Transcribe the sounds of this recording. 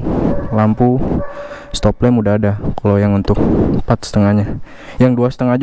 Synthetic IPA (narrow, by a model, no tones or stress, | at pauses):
lampu | st̪ɔplemudaːdakalojaŋunt̪ʊk̚pat̪̚sə̥t̪əŋahɲa | jaŋduasə̥t̪əŋad͡ʒ